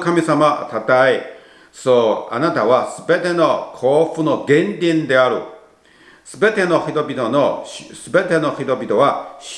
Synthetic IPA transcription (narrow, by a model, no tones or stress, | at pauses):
kamʲisamat̪at̪ae | soːa̰nat̪aβasɨbe̞t̪e̞no̞kʰoːɸɯno̞ɡẽ̞ɲdʲĩnd̪e̞aɾɯ̟̰ | sɨbe̞t̪e̞no̞çit̪o̞bʲit̪o̞noɕsɨbe̞t̪e̞no̞çit̪o̞bʲit̪o̞βaɕ